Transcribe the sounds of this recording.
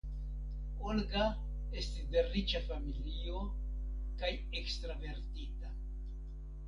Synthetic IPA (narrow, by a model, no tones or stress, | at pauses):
olɡa | e̞stisde̞rit͡ʃafamilio̞ | kaj | ekstɾave̞ɾtita